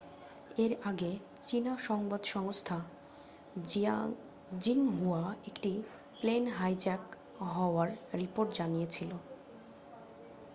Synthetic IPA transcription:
eɾaɡe | t͡ɕinaʃɔŋbad̪ʃɔŋst̪ʰa | d͡ʑiŋɦuaekʈi | plenɦajd͡ʑɛk | ɦɔoaɾɾipoɾʈd͡ʑanijet͡ɕʰilo

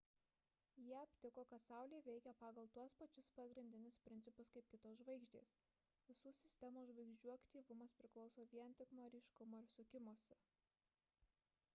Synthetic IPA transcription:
jiɛɐpʲt̪ʲɪkoːkɐt̪sɑˑʊlʲeːʋʲɛɪkʲɛpɑːɡɐlˠt̪uɔspɐt͡ʃʲʊspɐɡɾʲɪnʲd̪ʲɪnʲɪspʲɾʲɪnt̪ʲɪpʊskɐɪp̚kʲɪt̪oːsʒʋɐɪɡʒʲd̪ʲḛːs | ʋʲɪsuːsʲɪsʲt̪ʲɛmoːʒʋɐɪɡʒʲd͡ʒʲuːɐkt̪ʲiːʋʊmɐspʲɾʲɪklˠɒʊsoːʋʲiɛnˑt̪ʲɪkmoːɾʲiːʃkʊmoːɪɾsʊkʲɪmoɔsʲɛ

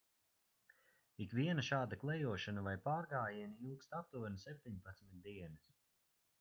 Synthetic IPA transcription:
ikviɛnɐʃaːd̪aklˠɛjuɔʃanavajpaːɾɡaːjiniilˠkst̪ap̚t̪unsɛp̚ʲt̪ʲiɲpat̪smit̪̚d̪iɛnɨs

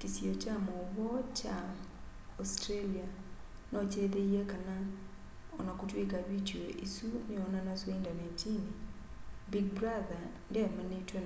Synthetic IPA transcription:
kisjot͡ʃamɔbɔt͡ʃa | ɔstɾelia | nɔt͡ʃed̪ejekana | ɔnɔkutwekawit͡ʃeʔisunɪɔnanaswoindanat͡ʃini | biɡ̚bɾaða | ndemanetwe

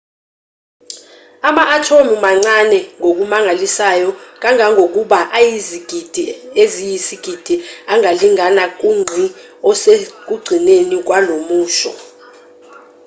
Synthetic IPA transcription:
amaʔːtʰomimaŋ͡ǀanɛŋʱok̬umaŋalisajɔk̬ʼaŋʱaŋʱok̬uɓaʔajiziɡ̥ʱid̥ʱiezijisiɡ̥ʱid̥ʱiaŋaliŋanak̬ʼuŋ͡ǀʱi | ɔsek̬ʼuɡ͡ǀʱinenik̬walomuːʃɔ̰

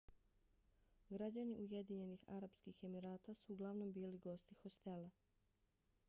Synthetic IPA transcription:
ɡɾad͡ʑaniʔuje̞d̪iɲe̞nixa̰ɾapskixe̞miɾaːt̪asuːɡlˠaʋno̞mbiːliɡo̞st̪ixo̞st̪e̞la

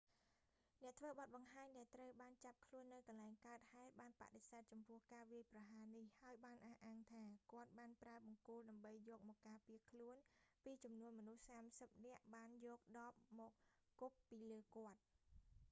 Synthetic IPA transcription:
nɛ̆əʔt̪ʰʋəːɓɑt̪̚ɓɑŋɦaːɲɗaɛlt̪rəwɓaːnt͡ɕap̚kʰluənːɨwkɑnlaɛŋkaət̪̚haɛt̪̚ɓaːnpa̰ʔɗesaːt̪̚t͡ɕɑmpʊ̆əhkaːʋiəjprɑɦaːnihhaəjɓaːnʔahʔaːŋt̪ʰaːkŏət̪̚ɓaːnpraəɓɑŋkuːlɗaəmɓəjːɔːk̚mɔːkːaːpiəkʰluənpiːt͡ɕɑmnuənmɔnuhsaːmsəp̚nɛ̆əʔɓaːnjɔːk̚ɗɑːp̚mɔːk̚kupːiːləːkŏət̪̚

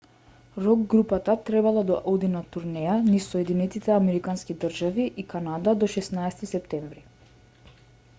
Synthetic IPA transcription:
ɾɔɡːɾupat̪at̪ɾɛbalˠad̪ɔʔɔd̪inat̪uɾnɛjanisɔjɛd̪inɛt̪it̪ɛamɛɾikanskid̪r̩ʒaviʔikanad̪ad̪ɔʃɛsnaɛst̪isɛpt̪ɛɱvɾi

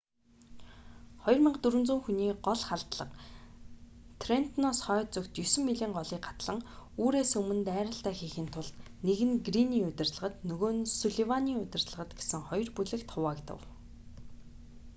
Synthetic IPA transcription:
χɔjɞ̆rmɪɴɢt̪ɵɾɘ̆nt͡suːŋxuniːɢɔɮχaɮt̪ɮə̆q | t̪ʰren̥t̪nɔsχœːt͡sɵkt̪jɵsɵ̆mːiɮiːɴɢɔɮiːkɢḁt̪ɮə̆ŋuːɾeːsɵmɵ̆nt̪æːɾə̆ɬt̪æːxiːxiːnt̪ʰʊɮt̪neɣɘ̆nɡriniːʊt̪ʲɪ̆rt̪ɮə̆ʁə̆t̪nɵɣoːnsɵɮiwaniːʊt̪ʲɪ̆rt̪ɮə̆ʁə̆t̪ɡe̥sɘ̆ŋχɔj̆rpuɮɘ̆kt̪ʰʊwaːkt̪ə̰̆w

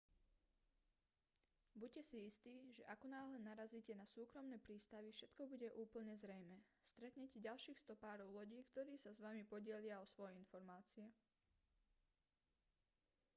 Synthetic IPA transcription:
bucɛsiist̪iːʒɛʔakɔnaːɦlɛnaɾaziːcɛnasuːkɾɔmnɛːpɾiːst̪aʋifʃɛt̪kɔbuɟɛʔuːpl̩ɲɛzɾɛjmɛst̪ɾɛt̪ɲɛcɛɟalʃiːxst̪ɔpaːɾɔʊlɔɟiːkt̪ɔɾiːsazʋamipɔɟɪɛlɪaɔsʋɔjɛinfɔɾmaːt͡siɛ

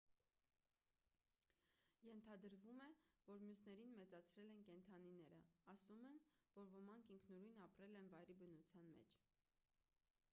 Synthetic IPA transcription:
jɛnt̪ʰɑd̪əɾvumɛvɔɾmjusnɛɾinmɛt͡sɑt͡sʰɾɛlɛnkɛnt̪ʰɑninɛɾəɑsumɛnvɔɾvəmɑŋkʰiŋkʰnuɾujnɑpɾɛlɛnvɑjɾibənut͡sʰjɑnmɛ̰t͡ʃʰ

